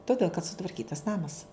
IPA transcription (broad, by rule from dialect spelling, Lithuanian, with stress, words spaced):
toːˈdʲeːlˠ kɐt sʊtʋɐrʲˈkʲiːtɐs ˈnɑːmɐs